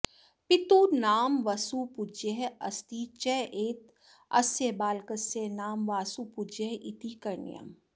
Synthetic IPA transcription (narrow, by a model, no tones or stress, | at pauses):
pit̪unaːmʋɐsupud͡ʒeɦɐ̰st̪it͡ʃɛʔeːt̪ | ɐ̰sjebaːlkɐsenaːmʋaːsupud͡ʒeɦʔit̪ikɐɾnḭjɐ̰m